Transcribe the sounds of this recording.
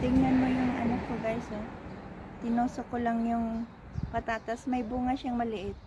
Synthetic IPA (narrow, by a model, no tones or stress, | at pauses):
t̪ɪŋɐnmo̞jʊŋʔɐnakːoɡajsɛ | t̪ɪnoːsokolaŋjʊŋ | pɐt̪aːt̪ɐsmɐjbuːŋɐʃaŋmɐlɪʔɪt̪̚